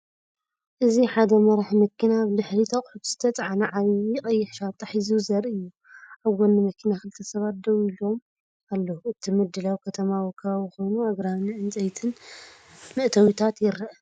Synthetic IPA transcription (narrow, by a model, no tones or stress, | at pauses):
ʔɨziħad̪ɐmɐɾaħmɐkʰːinaβlɨħlit̪ʰɐχʼħut̪z̥ɨ̥t̪ʰɐt͡sʼʕanɐʕaβjɪkʼɐjːɪħʃat̪ʼːɐħizuzɐɾɨjːu | ʔaβɡonːɨmɐkʰinaxɨlɨt̪ʰːɐsɐβat̪̚d̪ɐwilo̞m | alːɐhuɨt̪ʰimɨd̪ːɨlawikʰɐt̪ʰɐmawkʰɐxo̞jnuaɡɾamnɨʔɨnt͡sʼɐjt̪ʰɨn | mɨʔt̪ʰɐwit̪ʰat̪jɪɾɐʔ